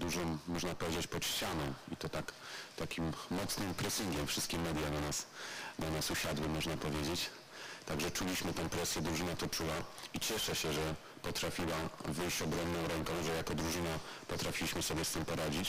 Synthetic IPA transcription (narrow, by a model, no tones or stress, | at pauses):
d̪uʐɔ̃w̃ːɔʐnapɔvʲjed͡ʑet͡ɕpɔt̪ɕt͡ɕanɔ̃w̃it̪ɔt̪akt̪akʲimːɔt̪snɘmpɾɛsʲiŋɡʲɛmfʂɘst̪kʲɛmɛd̪ʲjananasnanasuɕad̪wɘmɔʐnapɔvʲjed͡ʑet͡ɕ | t̪aɡʐɛt͡ʂulʲiɕmɘt̪ɛ̃w̃pɾɛsʲjɛd̪ɾuʐɘnat̪ɔt͡ʂuwait͡ɕɛʂɛɕɛʐɛ | pɔt̪ɾafʲiwavɘjɕt͡ɕɔbɾɔmnɔ̃w̃ɾɛŋkɔ̃w̃ʐɛjakɔd̪ɾuʐɘna | pɔt̪ɾafʲilʲiɕmɘsɔbʲjɛst̪ɘmpɔɾad͡ʑit͡ɕ